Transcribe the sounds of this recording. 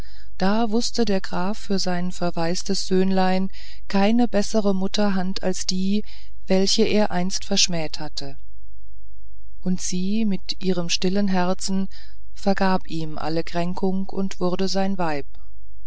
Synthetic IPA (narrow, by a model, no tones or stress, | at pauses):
d̥aːvʊstədeːɐɡʁaːfːyːɐzaɪnfɛɐvaɪstəsz̥øːnlaɪn | kʰaɪnəbɛsəʁəmʊtʰɐɦantʰa̰lsd̥iː | vɛlçəʔeːɐʔaɪnstfɛɐʃmɛːthatʰə | ʔʊntz̥iː | mɪtʔiːʁ̞əmʃtɪlənɦɛɐt͡sn̩ | fɛɐɡaːpiːmʔa̰ləkʁ̥ɛŋkʰʊŋ | ʊ̰ntv̥ʊɐdəzaɪnvaɪp̚